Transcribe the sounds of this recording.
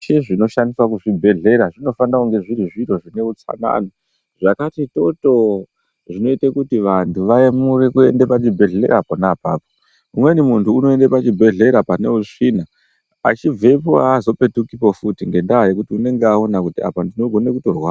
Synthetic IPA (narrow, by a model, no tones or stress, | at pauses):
ʃeʐino̞ʃandiswakuʐibʱe̞ɮe̞ɾaʐino̞fanauŋɡe̞ʐiɾiʐiro̞ʐine̞ut͡sa̰na̰ni | ʐakatito̞to̞ | ʐino̞itakutiʋantʰuʋaemuɾekue̞nde̞pat͡ʃibʱe̞ɮeḛɾaponapaːpo | umwenimuntʰuːno̞e̞ndepat͡ʃibʱe̞ɮe̞ɾapane̞̰uʂina | a̰t͡ʃib͡vʱe̞puazo̞pe̞tukipofutiŋɡe̞ndaːjekutiune̞ŋɡeaonakutia̰pandino̞ɡʱo̞nekuto̞rwa